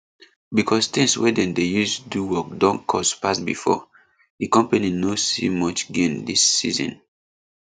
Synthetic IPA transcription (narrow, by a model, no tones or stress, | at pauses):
bikʰɔst̪ĩŋswɛ̰dɛ̃ndejustuduwɔk̚dɔ̃nkʰɔspasbḭfɔ̰ | dikɔ̃mpaninosḭmɔt͡ʃɡẽmdisːḭzɔ̰̃n